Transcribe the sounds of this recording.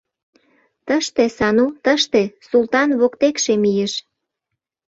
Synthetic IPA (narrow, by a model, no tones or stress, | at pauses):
t̪əʃt̪esɑnut̪əʃt̪esult̪ɑnβokt̪ekʃemijeʃ